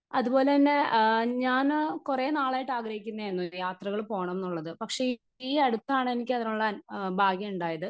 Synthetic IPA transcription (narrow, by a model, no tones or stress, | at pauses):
ɐðubo̞ːle̞t̪ɐnːe̞ɲaːnkureːnaːɭaːjiʈːaːɡrɐhikʲːunːɐenːujaːt̪rɐɣɐɭpo̞ːɐɳɐme̞nːuɭːɐðɨpɐkʂe̞ | iːɐɽut̪ːaːɳenikʲːet̪ɾɐɭaːnbʱaːɡjɐmuɳɖaːjɐðɨ